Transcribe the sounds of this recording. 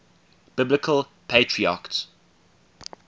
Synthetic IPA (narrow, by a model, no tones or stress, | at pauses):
b̥ɪblɪkʰəl | pʰeɪtʰɹia̰kts